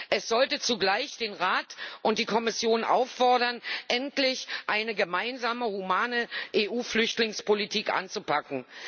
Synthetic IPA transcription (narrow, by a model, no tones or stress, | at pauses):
ʔɛsz̥ɔltət͡suɡlaɪçd̥eːnʁaːtʔʊntd̥iːkʰɔmɪsjoːnʔa̰ʊfːɔɐdɐnʔɛntlɪçʔaɪnəɡəmaɪnzaːməhumaːnəʔeːʔuːflʏçtlɪŋspolitʰiːkʔa̰nt͡supʰakŋ̩